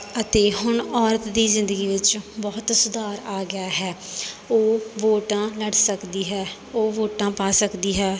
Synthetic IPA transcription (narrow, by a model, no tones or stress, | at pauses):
ət̪eːɦʊɳɔːɾət̪d̪iːzɪ̃nd̪əɡiːʋɪt͡ʃbɔːt̪sʊd̪aːɾaːɡɪjaːɦɛːoːʋoːʈãːləɽsəkd̪iːɦɛː | oːʋoːʈãːpaːsəkd̪iːɦɛː